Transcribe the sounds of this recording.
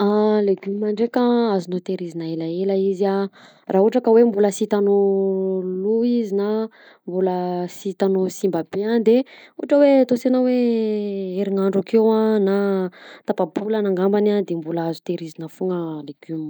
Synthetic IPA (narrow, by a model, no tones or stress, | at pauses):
aleɡymiːaɳɖ͡ʐekaazunot̪eɾizinaelaeləizia | raːɦuʈ͡ʂakəwembuləsit̪ano | luizina | mbuləsit̪anosimbəbead̪euaʈ͡ʂəwet̪osenawe | eɾiŋaɳɖ͡ʐukewanat̪apabulanaŋɡambanad̪embulaazu̥t̪eɾizinəfuŋəleɡ̥ym